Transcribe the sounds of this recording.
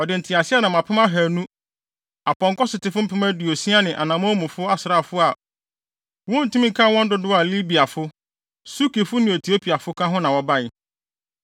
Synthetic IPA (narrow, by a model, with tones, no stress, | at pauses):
ɔ˨dɪ˨n̩˨tʰɪ˨a˨sɪ˦ɛ˦nã˨mã˨pʰɪ˦mã˦ɦæ˨nũ˦ | a˨pɔ̃˨ŋkɔ˦sɪ˨tɪ˨˦fʊ˦m̩˦pʰɪ˦mã˦du˨o˨sĩ˦a˦nɪ̃˨ʔa˨nã˨mã˦mũ˨fʊ˦a˦sɪ˨ɾa˦˨fʊ˦a˨ | wɔ̃˦n̩˨tũ˦mĩ˦kʰã˦˨wɔ̃˦n̩˦dʊ˦dʊ˦a˨li˦bi˨a˨fʊ˦ | su˦ki˨fʊ˦nɪ̃˨o˨tʰi˨o˦pʰi˨a˨fʊ˦kʰã˦ɦʊ̃˦nã˨wɔ˨ba˦ɪ˨